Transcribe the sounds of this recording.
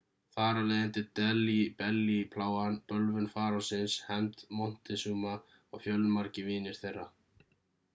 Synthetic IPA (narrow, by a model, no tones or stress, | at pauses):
θaːɾalɛːjðɪnt̪ɪt̪ɛlipɛlːipʰlaːwanpœlvʏnfaːɾasɪnshɛnt̪mɔn̥t̪ɪsuːma | ɔɣfjœlːmaɾcɪviːnɪɾ̥θejrːa